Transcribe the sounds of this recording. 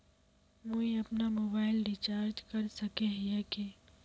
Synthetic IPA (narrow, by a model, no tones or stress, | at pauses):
mõiɐpnamoːbaːɪlɖit͡ʃaːɾd͡ʒkɐɾsɐkeɦjɛke